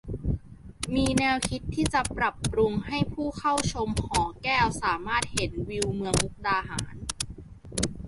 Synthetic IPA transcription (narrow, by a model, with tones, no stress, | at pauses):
miː˧nɛː˧wkʰi˦˥t̪ʰːiː˥˩t͡ɕa˨˩pɾa˨˩pːɾu˧ŋha˥˩jpʰuː˥˩kʰa˥˩wt͡ɕʰo˧mhɔː˩˦kɛː˥˩wsaː˩˦maː˥˩t̪̚he˩˦nwi˧wmɯ˧əŋʔu˦˥k̚daː˧ɦa̰ː˩˦n